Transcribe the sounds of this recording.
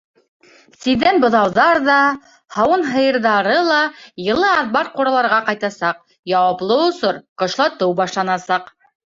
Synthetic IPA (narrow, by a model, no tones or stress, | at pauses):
siðænbŏðɑwðɑɾðɑ | hɑwɤnɦɤ̆jɤ̆ɾðɑɾɤlˠɑjɤ̆lˠɤɑðbɑɾ̚quɾɑlˠɑɾʁɑqɑjt̪ɑsɑq | jɑwɑplˠɤŏsɤɾqŏʃlˠɑt̪ɤwbɑʃlˠɑnɑsɑq